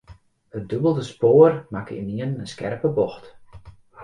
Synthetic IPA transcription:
ət̚døbəlˠdəspoːərmakɪ̰niənəskɛrpəbɔxt

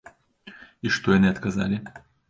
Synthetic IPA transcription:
iʂt̪ojɐnɨɐt̪kɐza̰lʲɪ

